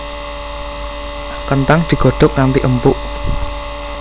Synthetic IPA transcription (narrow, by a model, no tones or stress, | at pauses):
kənt̪aŋd̪̥i̤ɡ̥o̤ɖ̪̥ɔ̤k̚naŋt̪iʔəmpʊʔ